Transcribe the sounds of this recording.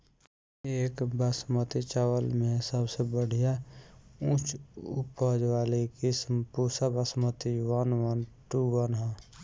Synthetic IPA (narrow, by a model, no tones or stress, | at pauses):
eːkbəsmət̪it͡ʃawəlmẽsəbsebəɽ̤ʱija | ũːt͡ʃʊpəd͡ʒʋaːlikismpuːsabəsmət̪iwənʋənʈuwənɦãː